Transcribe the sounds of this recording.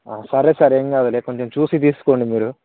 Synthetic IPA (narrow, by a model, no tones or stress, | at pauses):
aːsɐːɾeːsaːɾeːŋkaːd̪uleːkoɲt͡ʃemt͡ʃuːsit̪iːsu̥ko̞ːɳɖimiːɾu